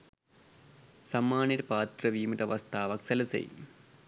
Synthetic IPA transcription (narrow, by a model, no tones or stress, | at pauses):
sɐmːaːniɾpaːt̪rɐʋiːmiʈɐʋɐst̪ʰaːʋɐksɐlɐsḛj